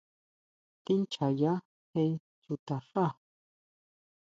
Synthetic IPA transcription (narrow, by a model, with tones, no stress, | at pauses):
t̪i˦nt͡ʃʰa˨ja˦ | he˧˦ | t͡ʃu˨t̪a˨ʂa˦˨